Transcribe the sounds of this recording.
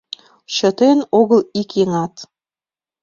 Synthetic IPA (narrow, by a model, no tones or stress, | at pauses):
ɕŏt̪enoɣə̆likeŋɑt̪